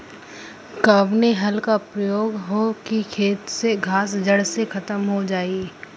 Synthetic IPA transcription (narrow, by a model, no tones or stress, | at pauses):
kɐbneɦɐlkapɾɐjoːɡɦokikʰeːt̪seɡʱaːs̬d͡ʒɐɽsekʰɐt̪əmɦod͡ʒaːiː